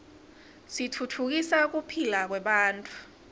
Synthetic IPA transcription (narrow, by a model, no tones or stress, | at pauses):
sitʰutʰuk̬isak̬upʰilak̬wɛɓaːntʼu̥